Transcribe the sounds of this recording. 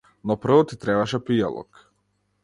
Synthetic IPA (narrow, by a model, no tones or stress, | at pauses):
nɔpr̩vɔt̪it̪ɾɛβaʃɛpija̰lˠɔ̰k